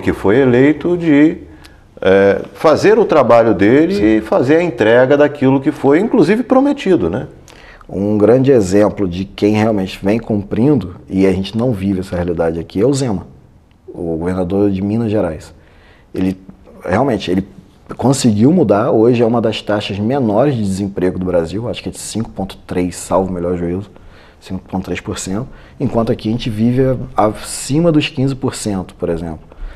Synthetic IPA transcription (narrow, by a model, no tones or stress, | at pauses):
kɪfojelejt̪ʊd͡ʒɪ | ɛfazeɾʊt̪ɾabaʎʊd̪elɪfazeɾɐẽnt̪ɾɛɡɐd̪akilʊkɪfojĩŋkluzivɪpɾomet͡ʃid̪ʊnɛ | ṵ̃ɡɾɐ̃d͡ʒɪezẽmplʊd͡ʒɪkẽj̃heawmẽnt͡ʃɪ̥vẽj̃kũmpɾĩnd̪ʊɪaʒẽnt͡ʃɪnɐ̃w̃vivɪɛsɐhealid̪ad͡ʒɪakʰiɛwzẽmɐ | ʊɡoveɾnad̪oɾd͡ʒɪmĩnɐʒeɾajs | elɪheawmẽnt͡ʃɪelɪ | kõsɪɡiwmud̪aɾoʒɪɛũmɐd̪ɐst̪aʃɐzmenɔɾɪzd͡ʒɪd͡ʒɪzẽpɾeɡʊd̪ʊbɾaziwaʃʊ̥kɪɛd͡ʒɪsĩŋkʊ̥põnt̪ʊ̥t̪ɾejsːawvʊmeljɔɾʒuizʊ | sĩŋkʊ̥põt̪ʊ̥t̪ɾejʃpoɾsẽnt̪ʊ̥ | ẽkwɐ̃nt̪ʊakiɐʒẽnt͡ʃɪvivɪasĩmɐd̪ʊʃkĩzɪpoɾsẽnt̪ʊ̥poɾezẽmplʊ